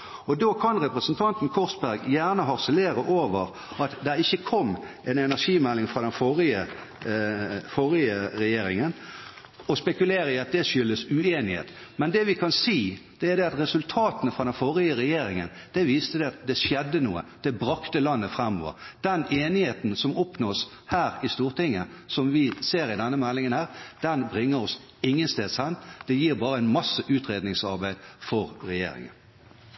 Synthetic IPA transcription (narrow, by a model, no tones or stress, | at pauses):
ɔd̪oːkʰɑnʁɛpɾəsn̩t̪ʰɑnt̪n̩kʰɔʁsbæɾɡjæːʁnəɦɑʁsəleːɾəʔoːʋəʁ | ɑt̪d̪ɛɾɪçːəkʰɔmːʔɛnɛnæʂiːmɛlːɪŋfʁɑd̪ɛnfoʁɪə | fɔʁɪəɾɛjeːɾɪŋən | ɔspɛkʉleːɾəɪɑt̪̚d̪ɛʂʏlːəsʉeːnɪhḛːt̪mɛnd̪ɛʋɪkʰɑnsiːd̪̥ɛæd̪ɛɑt̪ʁɛsʉlt̪ʰɑːt̪ənəfʁɑd̪ɛnfɔʁɪəɾɛjeːɾɪŋə̰nd̪̥ɛʋiːst̪əd̪ɛɑt̪̚d̪ɛʃjɛd̪ːənuːə̰d̪̥ɛbɾɑkt̪əlɑnːəfɾɛmːɔ̰ːʋə̰ɾd̪̥ɛneːnɪheːt̪n̩sɔmɔpnoːs | hæːɾɪst̪uːʁt̪ɪŋːəsɔmʋɪseːɾɪd̪ɛnːəmɛlːɪŋənhæːʁd̪̥ɛnbɾɪŋːəɾɔs | ɪŋːənst̪eːd̪sɛnt̪d̪̥ɛjiːɾbɑːɾəæɪnmɑsːəʔʉːt̪ɾeːd̪nɪŋsɑʁbæɪd̪fɔɾɾɛjḛːɾɪ̰ŋə̰n